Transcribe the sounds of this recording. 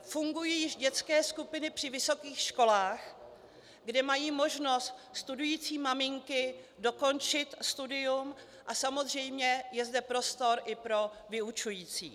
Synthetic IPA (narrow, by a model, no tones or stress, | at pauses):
fuŋɡujiːjɪʃɟɛt͡skɛːskupɪnɪpr̥ɪvɪso̞kiːxʃko̞laːx | ɡdɛmajiːmo̞ʒno̞st̪st̪udujiːt͡siːmamɪŋkɪ | do̞ko̞nt͡ʃɪt̪st̪udɪjum | ʔasamo̞zr̝ɛjmɲɛjɛzdɛpɾo̞st̪o̞ɾʔɪpɾo̞ | vɪut͡ʃujiːt͡sḭː